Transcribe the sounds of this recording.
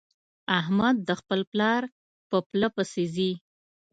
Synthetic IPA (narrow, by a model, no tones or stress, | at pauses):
aɦmad̪̚ːəxpəlplɑɾ | pəplapəsizi